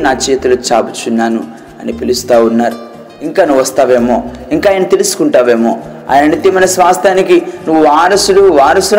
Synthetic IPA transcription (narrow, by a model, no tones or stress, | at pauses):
naːt͡ʃɛːt̪ɐlut͡ʃaːbut͡ʃunːaːnu | ɐnipilust̪aːwunːaːɾu | iŋkaːnuʋɐst̪aːʋe̞ːmo̞ːiŋkaːjɐnɐt̪e̞lusu̥kuɳʈaːʋe̞ːmo̞ː | a̰ːjnɐnit̪ːimɐjnɐsʋaːst̪ʰjaːnikinuʋːuʋaːɾɐsuɽuʋaːɾɐsu